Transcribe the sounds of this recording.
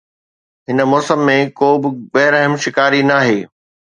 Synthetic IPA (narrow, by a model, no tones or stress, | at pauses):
ɦɪnəmɔːsəmːẽkoːbɪ̆bɐɦɪɾəɦəmʃɪkaːɾinaːɦeː